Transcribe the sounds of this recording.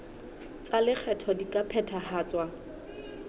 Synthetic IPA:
t͡sʼalɪk͡xʰɛtʰɔdikʼapʰɛtʰahaːt͡swa

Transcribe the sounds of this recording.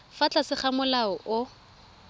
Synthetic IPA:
fat͡ɬʼasɪχamʊlaɔʔʊ

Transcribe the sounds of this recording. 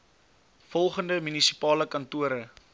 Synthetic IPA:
fɔlˠχəndəmynisi̥pɑːləkɐntuəɾə

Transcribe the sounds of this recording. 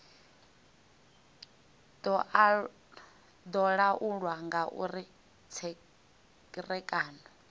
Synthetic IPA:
dɔ | d̪ɔɺaʔuɺwaŋɡaʔṵɾi | t͡sʰɛ | kʼirɛkʼaːnɔ

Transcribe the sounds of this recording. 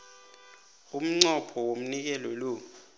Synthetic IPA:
um̩ŋ͡ǀɔpʰɔwom̩nik̬ɛlɔlo

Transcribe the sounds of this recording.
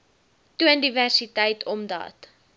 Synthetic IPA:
tuəndiværsitəjtʰɔmdɑ̰ːt

